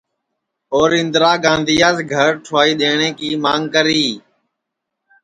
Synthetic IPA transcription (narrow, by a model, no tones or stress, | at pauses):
oːɾɪ̃nd̪ɾaːɡãːnd̪iːjaːzɡʱəɾʈʰʊaːiːɗ̪eːɳẽːkiːmaːŋɡkəɾiː